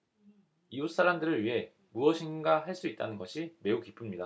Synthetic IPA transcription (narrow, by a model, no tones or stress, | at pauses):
ius͈aɾamdɯɾɯɭɥiɦe̞ | muʌɕʰinɡaɦaɭs͈uit̚t͈anɯnɡʌɕʰime̞ukip͈ʰɯmɲida